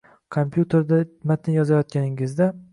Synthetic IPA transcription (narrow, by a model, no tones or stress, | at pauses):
kʰompʰjut̪ʰeɾd̪amat̪ʰɪnjɒzajɒt̪̚kʲanɪŋɪzd̪a